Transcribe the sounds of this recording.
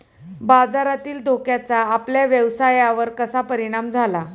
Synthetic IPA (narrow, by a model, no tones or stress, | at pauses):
bad͡zaɾat̪iːld̪ʱokjat͡saːpljaʋjəʋsajaʋəɾkəsapəɾiɽ̃amd͡zʱala